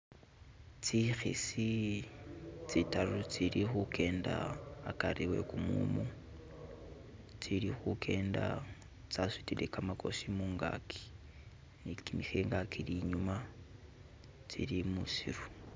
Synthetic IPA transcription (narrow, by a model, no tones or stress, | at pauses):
t͡sixḭsi | t͡sitaɾut͡siɾixukʰe̞ːndaːkariwe̞̰kumṵmu | t͡siɾixukʰe̞ːnda | t͡sasitilekamako̞̰simuːŋɡa̰kʰi̥ | nikimixeŋɡakiliɲuma | t͡siɾimusiɾu